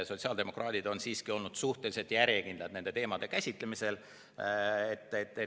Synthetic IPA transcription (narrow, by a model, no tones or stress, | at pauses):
so̞t̪ʲsiɑːld̪e̞mo̞krʔɑːd̪̥id̪o̞nsiːskio̞lnud̪̥suht̪elise̞t̪jæɾjekind̪lɑd̪ne̞nd̪et̪e̞ːmɑd̪e̞kæsʲit̪le̞mise̞l | et̪ˑːet̪ːˑe